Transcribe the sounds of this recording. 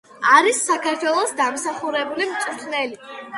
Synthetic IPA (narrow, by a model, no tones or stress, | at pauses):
aɾisːakʰaɾt̪ʰwɛlˠɔsd̪amsaχuɾɛbulimt̪sʼut̪ʰnɛli